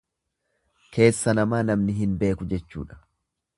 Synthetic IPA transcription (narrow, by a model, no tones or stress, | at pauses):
kʰe̞ːsːɐnɐmaːnɐmnɪɦɪnbe̞ːkʊd͡ʒɛt͡ʃːṵːᶑɐ̥